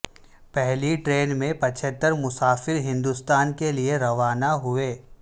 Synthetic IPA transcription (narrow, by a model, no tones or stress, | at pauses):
pɛɦliʈɾeːnmẽpɐt͡ʃʰət̪ːəɾmʊsaːfɪɾɦɪ̃nd̪ust̪aːnkelieɾɐʋaːnaɦʊeː